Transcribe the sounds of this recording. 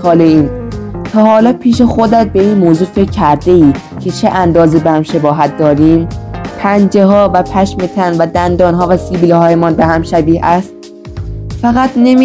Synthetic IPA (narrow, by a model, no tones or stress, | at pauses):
ɒːleiːnt̪ʰɒːhɒːlɒːpʰiːʃexod̪æt̪̚be̞iːnmoːzuːfekcʰːæɾd̪e̞iː | cʰe̞t͡ʃʰeʔænd̪ɒːzebehæmʃe̞bɒːɦæt̪̚d̪̥ɒːɾiːmpʰænd͡ʒe̞ɦɒːvæpʰæʃmet̪ʰænvæd̪ænd̪ɒːnɦɒːvæsiːbiːlhɒːjemɒːnbehæmʃæbiːhæst̪̚ | fæɣæt̪ne̞m